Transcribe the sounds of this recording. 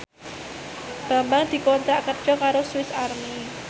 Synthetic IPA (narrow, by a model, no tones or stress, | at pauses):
b̥a̤mbaŋd̪̥i̤kɔnt̪ɾaʔkərd̥ʒ̥ɔkaɾosuwɪsarmi